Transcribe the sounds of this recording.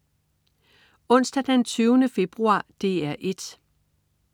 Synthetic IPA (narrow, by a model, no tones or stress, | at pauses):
ɔ̽n̰sd̥æd̥ent͡sʰyːʊnəfe̝b̥ʁuɑ̰̈ːd̥e̝ːæɐʔe̝d̥